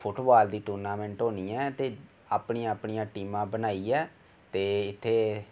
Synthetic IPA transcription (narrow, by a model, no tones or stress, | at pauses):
pʰʊʈbaːld̪iːʈuːɾnaːmɛ̃ːɳʈɦoːniːɛ̃ːt̪eː | aːpniːãːapɳiːãːʈiːmãːbənaːiːɛː | t̪eːɪt̪ʰːeː